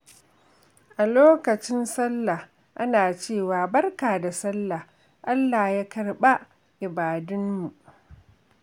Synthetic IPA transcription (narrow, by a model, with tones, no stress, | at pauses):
ʔa˨loː˦kɐ˨t͡ʃɪ˦nsɐ˦lːa˨h | ʔa˦naː˨t͡ʃeː˦˨waː˨bɐ˦rkaː˨da˨sɐ˦lːa˨h | ʔa˦lːa˨hjaː˦kɐ˨rɓa˦ʔ | ʔɪ˨baː˨dʊ˦nmu˨ʔ